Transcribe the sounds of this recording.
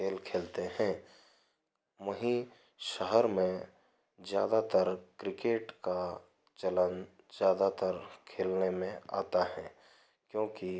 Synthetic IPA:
eːlkʰeːlt̪eɦɛ̃ | ʋɐɦĩ | ʃəɦəɾmẽ | zja̰ːd̪at̪əɾkɾɪkeːʈka | t͡ʃɐlən | zjaːd̪at̪əɾkʰeːlnemẽa̰ːt̪aɦɛ̃ː | kjõːki

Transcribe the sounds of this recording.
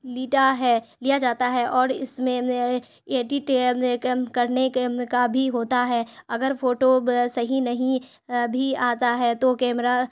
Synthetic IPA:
liːʈaɦɛːlijad͡ʒaːt̪aɦɛʔɔːɾɪ̰smẽ | eːʈiʈe | kɐɾnekabʱiɦoːt̪aɦɛɐɡəɾfoːʈosɐɦinɐɦĩ | bʱiaːt̪aɦɛt̪okɛːmɾa

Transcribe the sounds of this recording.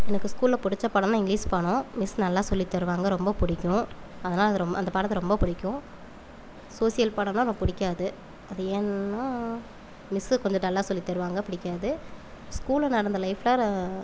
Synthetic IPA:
ɛnɐkːɯskuːlːɐpʊɽɪt͡ʃːɐpɐɽɐnãːɪŋɡɾiːspɐɳʊ̃mɪsnɐlːaːsɔlːit̪ːɐɾɯʋaːŋɡɐɾɔmbɐpʊɽɪkːʊ̃ | ɐðɐnaːlɐðɯɾɔmɐnd̪ɐpaːɽɐt̪ːɐɾɔmbɐpʊɽɪkːʊ̃ | soːsɪjɐlpɐɽɐnãːmɐpʊɽɪkʲːaːðɯ | ɐðɯeːnːaː | mɪskɔɲd͡ʒɐnɐlːaːsɔlːit̪ːɐɾɯʋaːŋɡɐpʊɽɪkːaːðɯ | skuːlɐnɐɽɐnd̪ɐlɐɪflaːɾ

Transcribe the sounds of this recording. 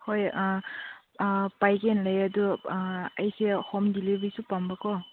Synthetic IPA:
hoj | pajkenlɐjɐdu | ɐjsehɔmdilibijsupambakɔ

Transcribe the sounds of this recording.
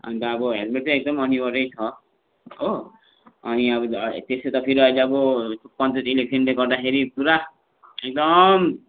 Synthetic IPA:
ʌ̰nit̪ʌːbʌɦelmeʈt͡sʌ̃ek̚d̪ʌmʌnibʌɾʌjt͡sʰʌ | o | ʌniʌbʌt̪eset̪ʌpʰiɾʌjlʌbʌupʌntʌtilek̚sʰʌnleɡʌrd̪axʰeɾipuɾa | ek̚d̪ʌm

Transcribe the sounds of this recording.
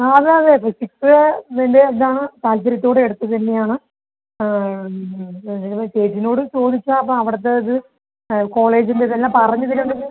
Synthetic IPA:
ɐðeɐðepːɐsiksʋeindeːnd̪aːɳɨt̪aːlsɐɾɐt̪ːo̞ːɽe̞ɽut̪ːɐt̪ɐnːe̞jaːɳɨ | seːtːino̞ːɽɨt͡ɕo̞ːðit͡ɕːaɐpːɐːmɐʋiɽɐt̪̬ːeɐðɨ | ko̞ːle̞ːd͡ʑindeðelːãːpɐrɐɲːɐðiluɳɖɐðɨ

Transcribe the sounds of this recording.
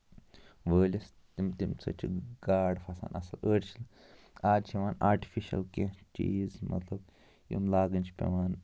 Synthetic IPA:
ʋəːlʲɐs | t̪imt̪imt͡sɐ̰t͡ʃʰḭɡaːɖfʰɐsa̰ːnɐ̰sɐləːɽʲt͡ʃʰil | aːd͡ʒt͡ʃʰiʋaːnaːɾʈi̥fiʃɐ̰lket͡ʃḭːzmɐ̰t̪lɐb | jṵmlaːɡɨnt͡ʃʰi̥pʲḛʋaːn

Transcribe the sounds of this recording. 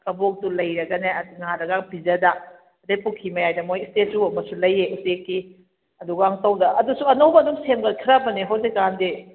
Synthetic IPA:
kɐbok̚dulɐjɾɐɡɐneɐdŋaɾɐɡaŋpizɐdɐ | ɐdejpukʰimɐjajdɐmojistetːuɐmɐsulɐjːeutekːi | ɐduɡɐaŋtɐwdɐɐdusuɐnowbɐdumsemɡɐt̚kʰiɾabɐneɦowzekande

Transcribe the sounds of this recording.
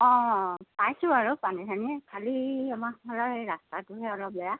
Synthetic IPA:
ɔ̃pajsuaɹupanitʰanikʰaliamakbʱalaejɹastatuɦɛɔlɔp̚lɔja

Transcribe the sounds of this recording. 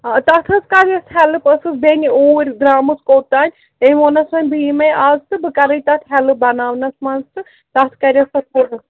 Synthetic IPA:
at̪ɐt̪ʰɐskaɾjɐst̪ʰhɛlɨpɐsɨsbenʲioːɾʲɡɾaːmɨskoːt̪aːnʲ | t̪eoːnɐsmɐnʲbiːmɐjʔaːzt̪ɨbɨkɐɾɐjt̪ɐt̪ʰɦʲɛlɨbɐnaːʋnɐsmɐnzt̪ɨ | t̪ɐt̪ʰkɐɾʲjɐsɐsoɾɨ

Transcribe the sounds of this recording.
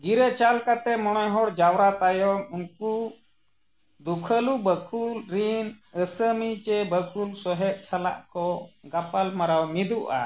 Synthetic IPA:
ɡiɾət͡ʃalkat̪ɛmɔñɔjɦɔɽd͡ʒawɾat̪ajɔmunku | d̪ukʰəlubəkʰulɾinəsəmit͡ʃɛbəkʰulsɔɦɛʔ̚sala̰ʔkɔɡapalmaɾawmid̪uʔa̰

